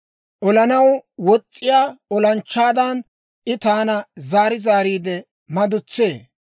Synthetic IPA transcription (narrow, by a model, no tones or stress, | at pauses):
ʔɔlɐnɐwwɔt͡sʼːɪjaːɔlɐnt͡ʃːaːd̪ɐn | ʔɪt̪aːnɐzaːɾɪzaːɾiːd̪ɛ | mɐd̪ʊt͡sːeː